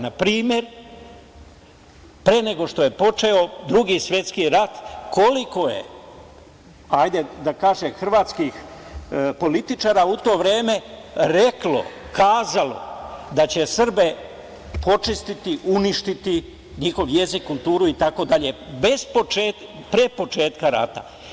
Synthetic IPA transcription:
napɾiːmje̞ɾ | pɾeːne̞ɡo̞ʂt̪o̞je̞po̞t͡ʂe̞o̞d̪ɾuɡisʋʲje̞t̪skiɾat̪ko̞liko̞je̞̰ | ajd̪ed̪akaːʒexr̩ʋaːt̪skix | po̞lit̪it͡ʃaːɾaut̪o̞ːʋɾe̞ːme̞ɾe̞klo̞̰ | kaːzalo̞̰d̪at͡ɕe̞sr̩be̞ | po̞t͡ʂist̪it̪iʔuniʃt̪it̪i | ɲixo̞ʋje̞zikːulˠt̪uːɾuit̪ako̞d̪aʎe̞bezpot͡ʃeːt̪ | pɾepo̞t͡ʃe̞ːt̪kaɾa̰t̪a̰

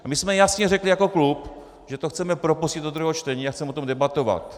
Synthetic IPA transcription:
mɪsmɛjasɲɛrɛklɪjako̞klup | ʒɛt̪oxt͡sɛmɛpɾopuscɪd̪dod̪ɾuɦɛɦot͡ʃt̪ɛɲiːaxt͡sɛmɛot̪omdɛbat̪ova̰t̪

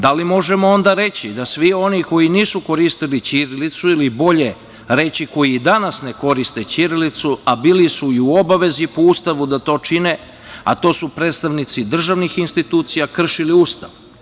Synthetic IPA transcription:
d̪alimo̞ʒe̞moo̞nd̪aɾe̞t͡ɕid̪asʋio̞niko̞jiniːsuko̞ɾist̪ilit͡ɕiɾilit̪suilibo̞ʎe | ɾe̞t͡ɕiko̞jid̪anasne̞ko̞ɾist̪e̞t͡ɕiɾilit̪suabiːlisuiuo̞baʋe̞zipoust̪aʋud̪at̪o̞t͡ʃine | a̰t̪o̞ːsupɾeːd̪st̪aʋnit̪sid̪r̩ʒaʋnixinst̪it̪uːt̪sijakr̩ʃiliust̪a̰ʋ

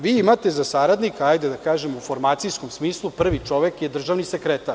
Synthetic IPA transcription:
ʋiːimat̪e̞zasaɾad̪nikaajd̪ed̪akaːʒemufo̞ɾmaːt̪sijsko̞msmiːslˠupr̩ʋit͡ʂo̞ʋe̞kjed̪r̩ʒaʋnisekɾet̪aɾ

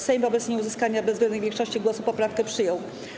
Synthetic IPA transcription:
sɛjmvɔbɛt̪sɲɛuzɘskaɲabɛzɡlɛd̪nɘɣvjɛ̃ŋkʂɔɕt͡ɕiɡwɔsupɔpɾafkɛpʂɘjɔw

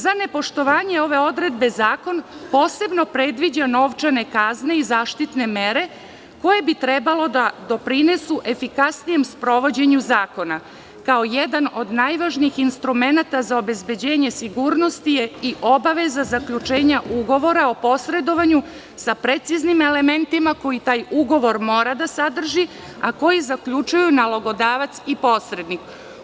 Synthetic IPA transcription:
zane̞po̞ʃt̪o̞ʋaːɲe̞o̞ʋe̞o̞d̪ɾe̞d̪be̞zaːko̞npo̞ːse̞bno̞pɾe̞d̪ʋid͡ʑano̞ʋt͡ʃanekazne̞izaːʃt̪it̪ne̞me̞ɾe̞ | ko̞je̞bit̪ɾebalo̞d̪ad̪o̞pɾine̞suʔe̞fikasnijemspɾo̞ʋo̞d͡ʑe̞ɲuzaːko̞na | kao̞jed̪ano̞d̪najʋaʒniixinst̪ɾume̞nat̪azao̞be̞zbe̞d͡ʑe̞ːɲe̞siɡuːɾno̞st̪ijeiʔo̞baʋe̞zazakʎut͡ʃe̞ːɲaʔuɡo̞ʋo̞ɾao̞po̞sɾe̞d̪o̞ʋaɲu | sapɾe̞t̪siznime̞le̞me̞nt̪imako̞jit̪aːjuɡo̞ʋo̞ɾmo̞ːɾad̪asad̪r̩ʒi | ako̞jizakʎut͡ʃujunalˠoɡo̞d̪aːʋat̪sipo̞sɾe̞d̪nik

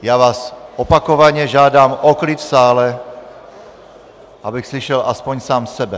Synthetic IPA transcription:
jaːvaːsʔopakovaɲɛʒaːdaːmʔoklit̪fsaːlɛ | ʔabɪxsliʃɛlʔaspoɲsaːmsɛbɛ

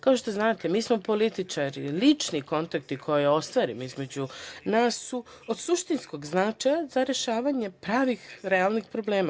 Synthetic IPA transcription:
kao̞ʃt̪oznaːt̪emiːsmo̞po̞lit̪it͡ʃaɾḭlit͡ʃniko̞nt̪ak̚t̪ikʰo̞jeo̞st̪ʋaːɾimoizme̞d͡ʑunaːsːu | od̪suʃt̪insko̞ɡznat͡ʃajazaɾe̞ʃaːʋaɲe̞pɾaːʋixɾealˠnixpɾo̞bleːma

